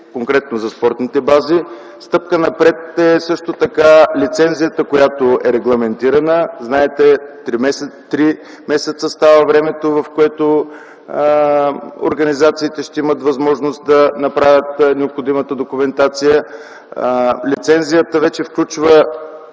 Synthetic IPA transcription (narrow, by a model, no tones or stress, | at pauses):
koŋkɾɛt̪nozɐspɔɾt̪nit̪ɛbazi | st̪ɤp̚kənɐpɾɛt̪ɛsɤʃt̪ot̪ɐkalit̪sɛnzijət̪əkojat̪oɛɾɛɡlˠɐmɛnt̪iɾɐnəznaɛt̪ɛt̪ɾimɛsɛt̪ɾi | mɛsɛt̪səst̪avəvɾɛmɛt̪ovɐfkoɛt̪o | o̰ɾɡɐnizat̪siːt̪ɛʃt̪ɛimət̪vɐzmɔʒnost̪̚d̪ɐnɐpɾavʲjət̪nɛopxod̪imət̪əd̪okumɛnt̪at̪sijə | lit̪sɛnzijət̪əvɛt͡ʃɛfklʲut͡ʃvə